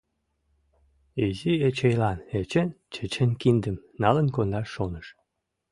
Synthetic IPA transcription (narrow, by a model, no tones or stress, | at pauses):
iziet͡ɕejlɑnet͡ɕent͡ɕə̆t͡ɕənkind̪ə̆mnɑlə̆nkond̪ɑʃːonəʃ